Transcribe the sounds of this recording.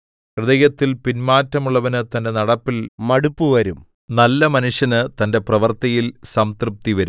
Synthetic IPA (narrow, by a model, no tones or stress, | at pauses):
krɨðɐjɐt̪ːilpinmaːtːɐmuɭːɐʋɐnɨt̪ɐnde̞nɐɽɐpːilmɐɽupːuʋɐɾum | nɐlːɐmɐnuʂjɐnɨt̪ɐnde̞prɐʋɐrt̪ɐjilsɐmt̪rɨp̚t̪iʋɐɾum